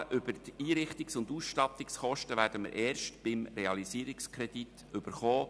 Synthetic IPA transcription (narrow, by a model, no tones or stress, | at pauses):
ʔʏb̥əɾtiːɾɪχt̪ɪksʊnduːsʃtɑt̪ɪksχɔʃtəvæːɾdəmə̰ɾʔɛːɾʃtb̥ɪmɾeɑlisiːɾikskʰɾɛd̥it | ʏb̥əɾχoː